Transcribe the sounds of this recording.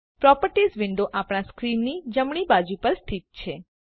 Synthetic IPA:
pɾɔpəɾʈisʋɪɳɖoʔapɽ̃askɾinːid͡ʒəmɳ̃ibad͡ʒupəɾst̪ʰit̪̚t͡ʃʰe

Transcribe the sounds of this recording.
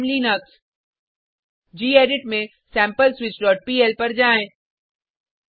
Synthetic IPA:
mlinɐks | d͡ʑiːeːɖɪʈmẽ | sɛ̃ːmpəlswɪt͡ʃɖɔːʈ̚piːɛlpɐɾd͡ʒaːẽ

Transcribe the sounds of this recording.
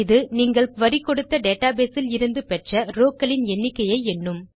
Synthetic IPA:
ɪðɯniːŋɡɐɭʋɐɾɪkːɔɽɯt̪ːɐɖeːʈaːbeːsɪlɪɾɯnd̪ɯpɛʈrɐɾoːkɐlɪnɛnːɪkːɐjɐɪɛnːɯm

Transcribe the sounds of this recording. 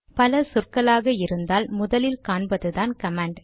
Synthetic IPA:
pɐlɐsʊrkɐlaːɣɐɪɾɯnd̪aːlmʊðɐlɪlkaːɳbɐðɯðaːnkɐmaːɳɖ

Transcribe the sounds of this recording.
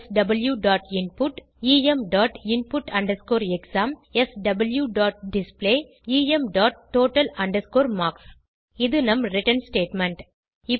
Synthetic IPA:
sɖɐbɐljuɖaːʈɪnpʊʈ | iːɛmɖaːʈɪnpʊʈɐɳɖɐɾskoːɾɛksaːmɛsɖɐbɐljuɖaːʈ̚ɖɪspleː | iːɛmɖaːʈːoːʈɐlɐɳɖɐɾskoːɾmaːks | ɪðɯnɐmɾɪʈɐnsʈeːʈmɛɳʈ | ɪ

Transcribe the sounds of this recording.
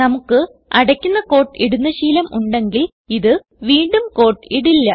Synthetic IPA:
nɐmukːɨ | ɐɽɐkʲːunːɐko̞ːʈːiɽunːɐɕiːlɐmʔuɳɖe̞ŋɡil | iðɨ | ʋiːɳɖumko̞ːʈːɨiɽilːɐ

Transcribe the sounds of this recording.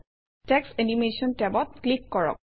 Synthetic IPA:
tɛksenimesɔntɛbɔt̪̚klikːɔɹɔ̰k̚

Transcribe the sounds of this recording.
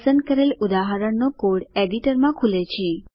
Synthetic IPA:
sənd̪̚kəɾelud̪aɦaɾəɳnokoɽeɽiʈəɾmãkʰulet͡ʃʰe

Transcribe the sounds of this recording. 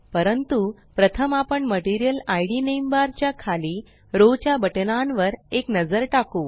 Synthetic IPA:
pəɾənt̪u | pɾət̪ʰəmapəɳməʈiɾijəlajɽinembaɾt͡ɕjakʰaliː | ɾot͡ɕjabəʈnãnʋəɾeknəd͡zəɾʈako

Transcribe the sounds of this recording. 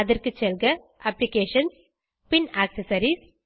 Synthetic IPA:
ɐðɐrkɯt͡ʃɛlɡɐ | ʔɐplɪkeːʂɐns | pɪnaːksɐsɐɾis

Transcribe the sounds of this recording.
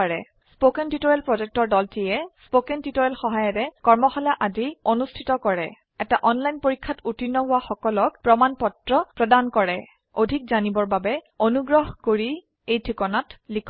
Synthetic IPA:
aɹɛ | spokɛntitoɹɛlpɹɔzɛk̚tɔɹdɔltiɛspokɛntitoɹɛlxɔɦajɔɾɛkɔɹmɔxɔlaʔadionustʰitɔkɔɹɛ | ɛtaʔɔnlajnpoɹikʰːatutinːɔɦʊwaxɔkɔlɔkpɹɔmanpɔtɹɔpɹɔdankɔɹɛ | odʱik̚zanibɔɹbabɛ | onuɡɹɔɦkoɹi | ejtʰɹikɔnatlikʰ

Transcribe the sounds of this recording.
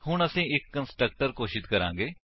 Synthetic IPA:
ɦʊɳəsĩːɪkːənsʈɾək̚ʈəɾkoːʃɪt̪kəɾã̰ːŋɡeː

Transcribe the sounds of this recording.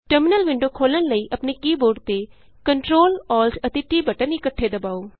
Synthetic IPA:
ʈəɾmɪnəlʋɪ̃ɳɖoːkʰoːlənləiːʔəpneːkiːboːɖt̪e | kəɳʈɾoːlɔːlsət̪eʈiːbəʈənɪkəʈʰːeːd̪əbaːoː

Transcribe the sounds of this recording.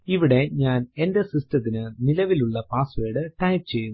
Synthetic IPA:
iʋiɽe̞ɲaːnend̪ɐsistɐt̪̬ːinɨnilɐʋiluɭːɐpaːsʋeːɽɨʈɐjp̚t͡ɕejːum

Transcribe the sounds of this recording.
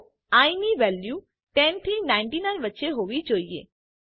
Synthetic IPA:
aːimiʋɛːljuː | ʈɛ̃nʈ̪ʰinãɪ̃ɳʈinãɪnʋətːʃeɦoːʋid͡ʒoːiḛː

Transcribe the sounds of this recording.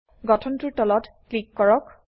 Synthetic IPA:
ɡɔtʰɔntuɹtɔlɔtklikːɔɹɔk

